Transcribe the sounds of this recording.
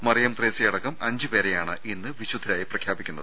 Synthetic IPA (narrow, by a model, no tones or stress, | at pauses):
mɐrijɐmt̪reːsijɐɽɐkːɐmɐɲd͡ʑɨpe̞ːɾejaːɳɨʔinːɨʋiɕud̪ʱːiɾaːjiprɐkʰjaːbikʲːunːɐðɨ